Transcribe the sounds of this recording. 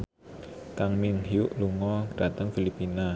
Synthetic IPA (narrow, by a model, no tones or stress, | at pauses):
kaŋmiŋhiuʔluŋɔd̥ät̪əŋfilipːina